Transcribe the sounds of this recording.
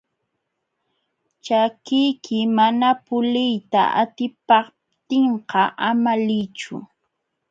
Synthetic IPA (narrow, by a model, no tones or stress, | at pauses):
t͡ʃakɪjkʰɪmanapʊlɪjt̪a̰ʔa̰t̪ɪpɑ | t̪ɪɴqɑʔamalɪt͡ʃʊ̰